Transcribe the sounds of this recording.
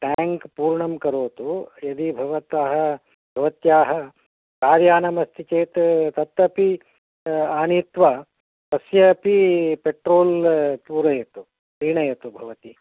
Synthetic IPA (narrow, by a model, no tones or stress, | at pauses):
ʈaːŋkpuːɾɳɐmkɐɾoːt̪ujɐd̪ibʱɐʋɐt̪aːɦɐ | bʱɐʋɐt̪jaːɦɐ | kaːɾjaːnɐmɐst̪ʰit͡ʃeːt̪t̪ɐt̪ːɐpi | aːnit̪ʋɐ | t̪ɐsjɐpipeʈɾoːlpuːɾɐjɐt̪u | pɾiːɳɐjɐt̪ubʱɐʋɐt̪i